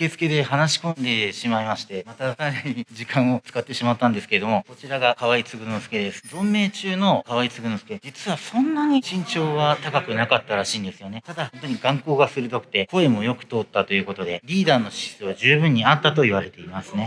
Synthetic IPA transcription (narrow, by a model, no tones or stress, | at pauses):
ke̞zɨ̥ke̞d̪e̞hanaɕi̥kõ̞nd̪e̞ɕimaimaɕi̥t̪e̞mat̪akaɾeɲiʑikãɰ̃o̞t͡sɨ̥kat̪ːe̞ɕimat̪ːãnd̪e̞sɨ̥keɾed̪o̞mo̞ko̞t͡ɕiɾaɡakaβait͡sɨɡɯ̟nosɨ̥ke̞d̪e̞sɨ̥zõ̞mːe̞ːt͡ɕɨːno̞kaβait͡sɨɡɯ̟nosɨ̥ke̞d͡ʑit͡sɨβasõ̞nːaɲ̟iɕĩɲ̟t͡ɕo̞ːβat̪akakɯnakat̪ːaɾaɕĩːnd̪e̞sɨjo̞ne̞t̪ad̪ahõ̞nt̪oɲ̟iɡãŋko̞ːɡasɨɾɯ̟d̪o̞kɯ̟̥t̪e̞ko̞e̞mo̞jo̞kɯ̟̥t̪o̞ːt̪ːat̪o̞jɯ̟ːko̞t̪o̞d̪e̞ɾʲiːd̪aːno̞ɕi̥sɨβaʑɨːbɯ̟̃ɲ̟ːiat̪ːat̪o̞iβaɾe̞t̪e̞imasɨne̞